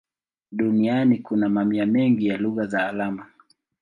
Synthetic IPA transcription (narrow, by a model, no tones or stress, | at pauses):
ɗunianikunamamiamɛŋɡijaluɣazaːlama